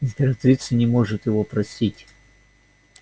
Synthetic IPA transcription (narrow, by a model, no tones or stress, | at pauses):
ɪmʲpʲɪɾɐt̪ɾʲit̪sɨnʲɪmo̞ʐɨt̪jɪvopɾɐsʲitʲ